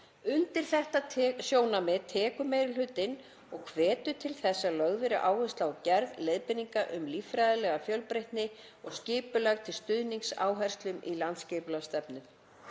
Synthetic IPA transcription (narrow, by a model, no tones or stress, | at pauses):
ʏnt̪ɪɾ̥θɛht̪asjoːwnamɪt̪ʰɛːkʏmejɾɪlʏt̪ːɪn | ɔɣkʰvɛːt̪ʏt̪ʰɪlθɛsːalœɣðvɪɾɪʔaːwvʏst̪lawcɛɾðlejðpɪniŋkaʔʏmlifɾajðɪlɛɣafjœlpɾejht̪nɪ | ɔɣscɪːpʏlɛɣt̪ʰɪlst̪ʏðniŋsa̰ːwɦɛr̥st̪lʏmḭlant̪scɛːpʏlast̪ɛpnʏm